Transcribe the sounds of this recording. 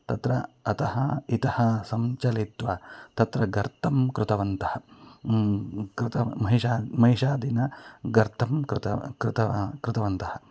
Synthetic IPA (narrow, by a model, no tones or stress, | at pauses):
t̪ɐt̪ɾɐːt̪ɐɦɐit̪ɐhɐsɐmt͡ʃɐlit̪ʋɐt̪ɐt̪ɾɐɡɐɾt̪ʰɐmkɾɪt̪ɐʋɐnt̪ɐhɐ | kɾɪt̪ɐmɐɦiʃaːmɐɦiʂaːd̪inɐɡɐɾt̪ʰɐmkɾt̪ɐkɾɪt̪ɐkɾɪt̪ɐʋɐnt̪ɐhɐ